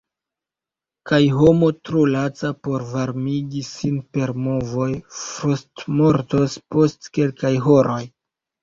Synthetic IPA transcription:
kajɦo̞mo̞tɾulat͡sapo̞ɾvaɾmiɡisinpe̞ɾmovo̞jfɾustmo̞ɾto̞spo̞stke̞lkajɦo̞ɾo̞j

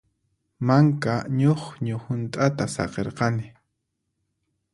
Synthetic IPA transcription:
maŋkaɲoχɲʊhʊnt̪ʼat̪asɑ̰qeɾqɑnɪ

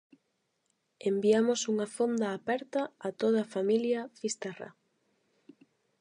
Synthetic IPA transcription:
embiamʊsuŋɐfond̪aːpɛɾt̪ɐːt̪oð̞ɐːfamiljɐfist̪ɛra̰

